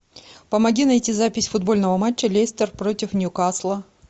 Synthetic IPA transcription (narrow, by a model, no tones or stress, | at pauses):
pəmɐɡʲinɐjtʲizapʲɪsʲfʊd̪̚bo̞lʲnəvəmat͡ɕːəlʲesʲt̪ərpɾo̞tʲɪfnʲjʊkaslˠə